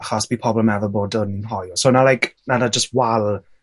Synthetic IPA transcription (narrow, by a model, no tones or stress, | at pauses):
χasb̥iːpʰɔblˠəmnɛvɔboːdənnɦɔjɔsonalajknanad͡ʒəst̚walˠ